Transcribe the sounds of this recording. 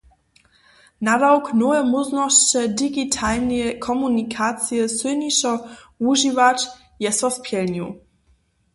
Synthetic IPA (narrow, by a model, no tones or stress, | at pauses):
nadawknɔvɛmɔznɔʃt͡ɕɛdiɡitʰalnɛkʰɔmunʲikʰat̪sjɛswɘniʃɔuʒivat͡ʃ | jɛsɔspʲʰjɛlɲu